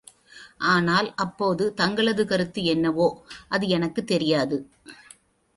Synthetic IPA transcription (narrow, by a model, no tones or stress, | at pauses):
ʔaːnaːlʔɐpːoːðɯt̪ɐŋɡɐɭɐðɯkɐɾɯt̪ːɯɛnːɐʋoːʔɐðɯɛnɐkːɯt̪ːɛɾɪjaːðɯ